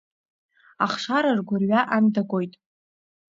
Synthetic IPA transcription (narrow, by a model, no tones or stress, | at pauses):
aχʂaɾarɡʷʊrɥaʔandaɡʷʼo̞jtʼ